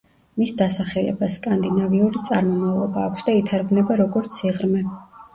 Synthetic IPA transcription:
misd̪asaχɛlɛ̰baskʼand̪inaviuɾit̪sʼaɾmɔmavlˠɔbaːkʷʰsd̪ait̪ʰaɾɡnɛbaɾɔɡɔɾt̪sʰiʁɾmɛ

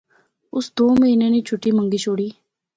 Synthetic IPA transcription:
ʊsd̪oːməɦiːnẽːnĩːt͡ʃʰʊʈːiːməŋɡiːt͡ʃʰoːɽiː

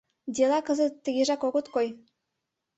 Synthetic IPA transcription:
d̪ʲelɑkɤ̆zə̆t̪ːə̆ɣeʒɑkoɣŏt̪koj

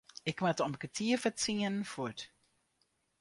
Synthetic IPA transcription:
ɪkmatɔmkətʰiːəfətt͡siənfut

